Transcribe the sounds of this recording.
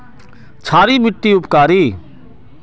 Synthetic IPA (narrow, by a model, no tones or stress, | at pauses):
t͡ʃʰaːɾimɪʈːiʊpkaːɾiː